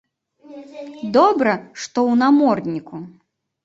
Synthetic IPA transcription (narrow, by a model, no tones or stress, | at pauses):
d̪ɔbɾɐʂt̪ɔwnamɔrnʲiku